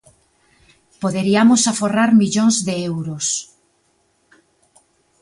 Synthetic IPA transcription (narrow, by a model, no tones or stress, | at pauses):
poðeɾiamosaforaɾmiʎõŋzðeewɾos